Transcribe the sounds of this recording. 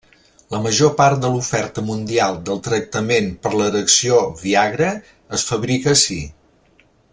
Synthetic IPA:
ləməʒopaɾt̪̚d̪əlufɛɾt̪əmund̪ialˠd̪əlˠt̪ɾək̚t̪əmempəɾləɾəksioβiaɣɾəː | sfəβɾikəsi

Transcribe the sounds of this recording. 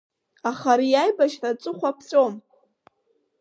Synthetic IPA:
aχaɾijajbaʃrat͡sʷʼɨχʷapʰsʼom

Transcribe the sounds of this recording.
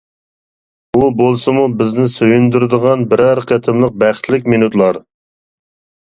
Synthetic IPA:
ubolˠsɨmubɪznɪsøjund̪yɾɨd̪əʁɑnbɪɾɛɾqʰɛt̪ʰɪmlˠəq̚bæχt̪ʰlɪkʲminut̪lˠɑɾ

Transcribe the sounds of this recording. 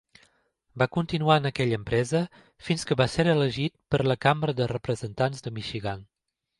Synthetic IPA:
bakunt̪inuaənəkɛʎəːmpɾɛzə | finskəβaseɾələʒit̪̚pəɾləkambɾəðərəpɾəzənt̪anzðəmiʃiɣan

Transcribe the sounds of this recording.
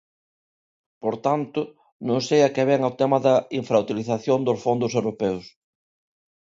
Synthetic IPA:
poɾt̪ant̪ʊ | nõŋsejɐkeβɛŋawt̪ɛmɐðɐiɱfɾaut̪iliθaθjond̪ʊsfond̪ʊsewɾopɛws

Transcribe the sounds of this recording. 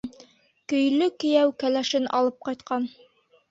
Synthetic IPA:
kɵ̆jlɵkɘ̆jæwkælæʃɘnʔɑ̰lˠɤp̚qɑjt̪qɑn

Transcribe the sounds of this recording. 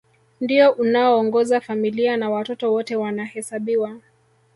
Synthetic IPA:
ndiɔʔunaɔːŋɡɔzafamilianawatɔtɔwɔtɛwanahɛsaɓiwa

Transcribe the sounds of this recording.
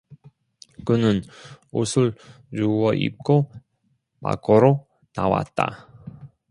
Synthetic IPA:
kɯnɯnosʰɯɭ | t͡ɕuwʌʔḭp̚k͈o | pa̰k͈ʰoɾo | nawa̰t̚t͈a̰

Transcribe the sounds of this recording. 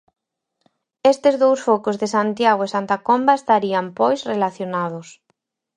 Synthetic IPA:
est̪ɪzðowsfokʊzðɪsant̪jaɣwesant̪akombaest̪aɾiampojsrelaθjonaðʊs

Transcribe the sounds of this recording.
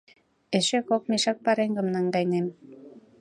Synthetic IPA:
eʃekok̚meʃɑk̚pɑɾeŋɡə̆mnɑŋɡɑjnem

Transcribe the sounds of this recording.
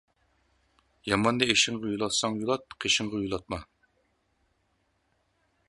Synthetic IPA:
jɑmɑnd̪ɑeʃɪŋʁɑjulˠɑt̪sɑŋjulˠɑt̪̚qʰeʃɪŋʁɑjulˠɑt̪̚mɑ

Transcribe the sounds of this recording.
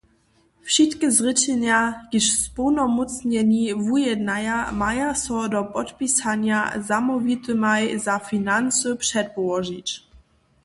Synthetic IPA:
fʃitkəzʁɪt͡ɕɛnjaɡ̥iʃspɔwnɔmut͡sɲɛɲivujɛdnajamajasɔdɔpɔtpisaɲjazamɔvit̪əmajzafinant͡sʊpʂɛt̚pɔvɔʒit͡ɕ

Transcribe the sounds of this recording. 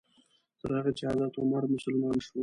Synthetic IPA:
t̪əɾhaɣat͡ʃɪhɑd̪ɑt̪ʊmaɾmʊsalmɑnʃwu

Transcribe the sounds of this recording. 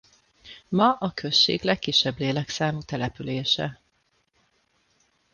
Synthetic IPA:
mɒʔɒkʰø̞ʃːḛːɡlɛkːiʃːɛbleːlɛksaːmut̪ɛlɛpyleːʃɛ̰

